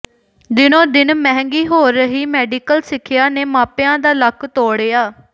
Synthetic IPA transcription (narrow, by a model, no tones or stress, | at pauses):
d̪ɪnõːd̪ɪnmɛ̃ːŋɡiːɦoːɾːəɦiːmɛːɖiːkəlsɪkʰɪjaːneːmãːpjãːd̪aːləkʰt̪oːɽeːaː